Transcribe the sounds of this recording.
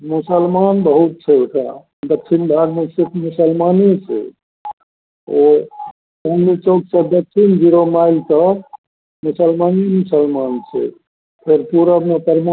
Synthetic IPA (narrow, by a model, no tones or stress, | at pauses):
musəlmanbəɦut̪̚t͡ʃʰɛoʈʰa̰ | d̪ək̚t͡ʃʰinbʱaɾmeset̪ʰmusəlmanet͡ʃʰɛ̰ | o | omit͡ʃoksə̃d̪ək̚t͡ʃʰind͡ʒiɾomailt̪ə | musəlmanimusəlmant͡ʃʰɛ̰ | pʰeɾpuɾəmepəɾma